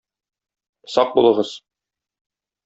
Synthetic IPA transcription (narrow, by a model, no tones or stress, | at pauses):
sɒq̚bulˠɤ̆ʁɤz̥